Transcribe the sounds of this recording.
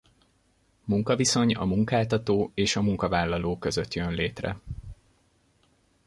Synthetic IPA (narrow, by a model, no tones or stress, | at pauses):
muŋkɒviso̞ɲɒ̰muŋkaːlt̪ɒt̪oːeːʃɒmuŋkɒvaːlːɒloːkø̞zøt̪jønleːt̪rɛ̰